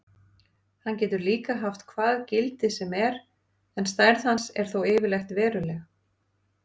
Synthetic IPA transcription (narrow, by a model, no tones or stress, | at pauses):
hancɛːt̪ʏɾliːkaɦaft̪kʰvaːðcɪlt̪ɪsɛmɛɾ | ɛnst̪ajɾθhansɛ̰ɾ̥θowɛːvɪɾlajxt̪vɛːɾʏlɛɣa